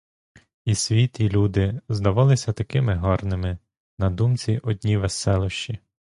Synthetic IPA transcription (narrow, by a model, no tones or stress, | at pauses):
isʲʋʲit̪ilʲud̪ɪzd̪ɐʋɑlˠɪsʲɐt̪ɐkɪmɪɦɔrnɪmɪ | nɐd̪umt͡sʲiʔɔd̪ʲnʲiʋesɛlˠʊʃt͡ʃi